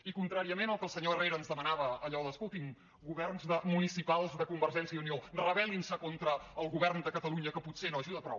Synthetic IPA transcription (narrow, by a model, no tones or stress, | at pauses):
ikunt̪ɾaɾiəmenəlˠkəlˠsəɲoəreɾəːnzðəmənaβəːʎɔðəskut̪iŋ | ɡuβɛrnzðəmunisipalˠzðəkumbəɾʒɛnsjəiuniorəβ̞ɛlinsəkont̪ɾəːlˠɣuβɛrnd̪əkət̪əluɲəkəputsenoəʒuðəpɾɔ̰w